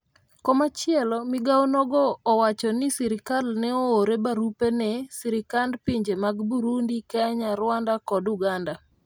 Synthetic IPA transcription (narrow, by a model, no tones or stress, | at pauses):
kɔmat͡ʃɪɛlɔmɪɡawnɔɡɔːwat͡ʃɔnisiɾɪkalnɛooɾebaɾupenɛsiɾikandpiɲd͡ʒemaɡbuɾundikaɲaɾwandakɔduɡanda